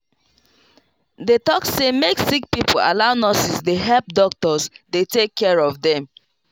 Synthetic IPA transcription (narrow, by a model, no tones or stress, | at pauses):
detɔksemeksik̚pipʰoa̰laʊnɔsisdeɦɛlp̚dɔk̚tɔsdetekʰːɛɹɔvdɛ̃m